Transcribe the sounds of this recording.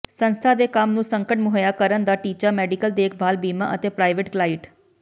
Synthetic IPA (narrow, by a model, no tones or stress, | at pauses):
sənst̪ʰaːd̪eːkamnũːsəŋkəʈmʊɦəjaːkəɾənd̪aːʈiːt͡ʃaːmɛːɖɪkəld̪eːkʰbʱaːlbiːma̰ːʔət̪eːpɾaːɪʋeʈklaːɪʈ